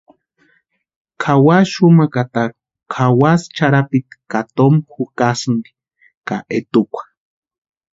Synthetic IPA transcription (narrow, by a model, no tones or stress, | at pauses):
kʰawaʃumakat̪aɾu̥ | kʰawast͡ʃaɾapit̪i̥kat̪omxukasɨnd̪i̥ | kaʔet̪ukʷḁ